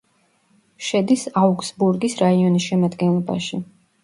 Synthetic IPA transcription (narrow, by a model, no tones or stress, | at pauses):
ʃɛd̪isauksbuɾɡisɾaiɔnisʃɛmad̪ɡɛnlˠɔba̰ʃi